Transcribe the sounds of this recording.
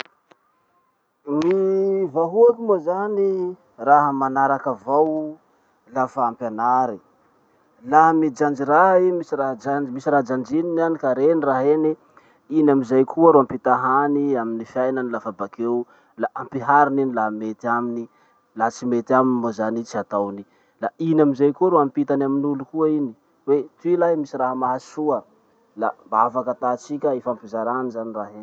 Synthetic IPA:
mivaɦuakumozani | raɦəmanaɾakavaw | lafaampanaɾi | laɦamid͡ʒand͡ʒiɾaɦimisiraɦd͡ʒand͡ʒmisiɾaɦd͡ʒand͡ʒininanikaɾeniɾaɦeni | inaminzajkʰuaɾoampit̪aɦaniaminifjajnanilafabakew | laʔampiɦaɾininilaɦmet̪iamini | lat͡simet̪aminimozanit͡siat̪awni | lainamizajkuəɾuampit̪anaminulukuaini | wet̪uilaɦmisiraɦamaɦasuə | lambaavakət̪at͡sikʲaefampizaɾanizaniraɦen

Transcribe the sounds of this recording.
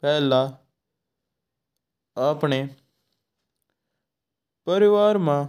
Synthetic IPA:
pɛɦla | aːpɳe | pəɾɪʋaːɾmã

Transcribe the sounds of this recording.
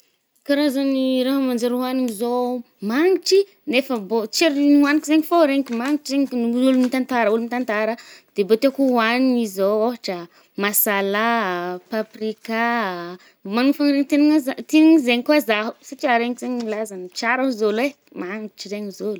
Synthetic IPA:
kaɾazoniɾaɦamand͡ʒaɾuaniɲizo | maŋiʈ͡ʂi | nefəbot͡ʃeɾnuanikizeɲifoɾeŋikimaŋiʈ͡ʂizeɲulumit̪ant̪aɾulumit̪ant̪aɾəd̪̥ebot̪ekuaniɲizooɦaʈ͡ʂə | masalapaprika | maŋfanɾeɲit̪eniŋazat̪eniɲizeɲikuazaɦu̥sat͡ʃiaɾeɲkzeɲilazanit͡ʃaɾaɦuzolwe | maŋit͡ʃiɾeɲizolu

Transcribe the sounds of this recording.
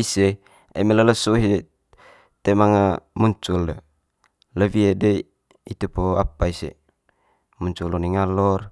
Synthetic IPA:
ise | ḛmelələsuɦie | t̪emaŋamuɲt͡ʃulde | ləviede | it̪upoapaisḛ | muɲt͡ʃuluniŋalɔr

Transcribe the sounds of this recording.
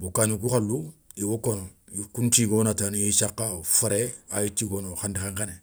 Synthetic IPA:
bokanik̬ukalu | iwokɔnɔ | kuntikonataniesakafaɾɛajitikonoxandixãŋkanɛ

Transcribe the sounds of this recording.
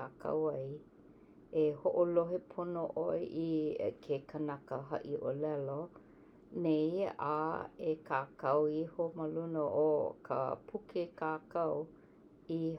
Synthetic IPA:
aːkɐ̰wɐj | ehoʔoloɦepʰonoʔojʔikʰekʰənɐkəɦɐ̰ʔiʔolɛlo | neja̰ekʰaːkɐwihoməlunəʔokʰə̰pʰukekaːkɐw | i

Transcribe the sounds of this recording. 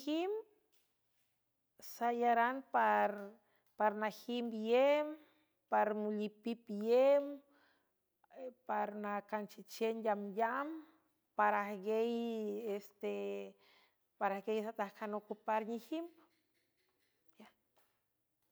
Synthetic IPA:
him | sajaɾanpaɾ | paɾnahimbjem | paɾmulipipjem | paɾnakant͡ʃit͡ʃenjamjam | paɾahɡejest̪e | paɾahɡejsat̪ahkanokupaɾɲihim | bja

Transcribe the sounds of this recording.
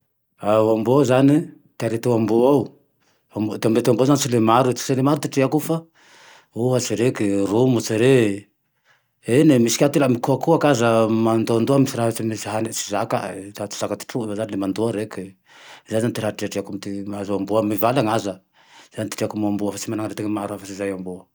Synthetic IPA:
aambuawzani | t̪aɾet̪uambuaw | amod̪eambet̪ambawzanisilemaɾut͡si̥selemaɾut̪iʈ͡ʂeakufa | oɦat͡siɾekirumut͡siɾe | enemisi̥kʲat̪elamikuakuakazəmand̪oand̪oamisiɾait͡simisaɦanit͡si̥zaka̰ɾat͡si̥z̥akat̪i̥ʈ͡ʂuevazanilemand̪oaɾeki | zanzanit̪iɾaʈ͡ʂiaʈ͡ʂiakumit̪imaazaamboamivalaŋazə | z̥anit̪i̥ʈ͡ʂeakumambuafat͡simanaŋaɾet̪eŋmaɾuafasizajamboə

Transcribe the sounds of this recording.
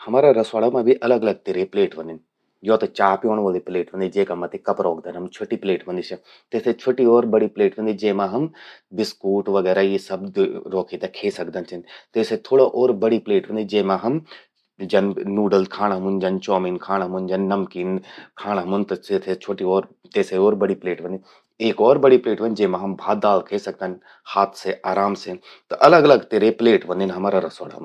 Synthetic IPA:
hɐmaːɾaɾɐsʋaːlamãbʱiʔɐləɡɐləɡ̚t̪eːɾepleːʈʋɐ̃nd̪ɪn | joːt̪ɐt͡ʃaːpjoːɽ̃ʋəlipleːʈʋə̃nd̪id͡ʒeːkamɐt̪ekɐpɾɔːkʰd̪ənɦɐmt͡ʃʰoːʈipleːʈʋɐ̃nd̪it͡ʃʰɐ | t̪et̪ʰet͡ʃʰoːʈiɔːɾbɐɽipleːʈʋɐ̃nd̪id͡ʒeːmãɦɐmbɪskuːʈʋɐɡɛːɾajisɐbɾɔːkʰit̪akʰeːsɐkd̪ənt͡ʃʰɐnt̪ɐɪset̪ʰoːɽaʔɔːɾbɐɽipleːʈʋə̃nd̪id͡ʒeːmãɦɐm | d͡ʒɐnnuːɖəlkʰaːɽ̃aɦɐmund͡ʒɐnt͡ʃɔːmiːnkʰaːɽ̃ɦɐmʊnd͡ʒɐnːɐmkiːnkʰaːɽ̃aɦɐmʊnt̪eːt̪ʰet͡ʃʰoːʈiɔːɾ | t̪eːseɔːɾbɐɽipleːʈbɐ̃nd̪i | eːkɔːɾbɐɽipleːʈbɐ̃nd͡ʒeːmãɦɐmbʱaːd̪aːlkʰeːsɐk̚d̪an | haːt̪ʰseʔaːɾaːmse | t̪oʔɐləɡɐləɡt̪eːɾepleːʈbɐ̃nd̪enɦɐmaːɾaɾɐsoːɽɦɐ̰m

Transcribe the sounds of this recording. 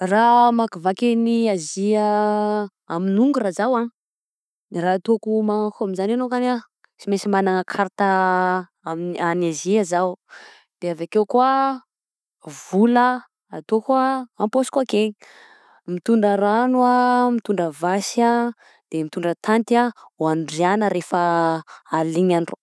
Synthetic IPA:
ramakivakeniazia | aminuŋɡurazawan | raːt̪okumaakoaminzanenokana | t͡simesimanaŋəkʰaɾt̪a | amanaziazaw | d̪̥eavakewkua | vulə | at̪okuaamposi̥kuake | mit̪uɳɖ͡ʐaɾanuamit̪uɳɖ͡ʐəvasa | d̪̥emit̪uɳɖ͡ʐət̪ʰant̪iawanɖ͡ʐianəɾefəaliɲanro

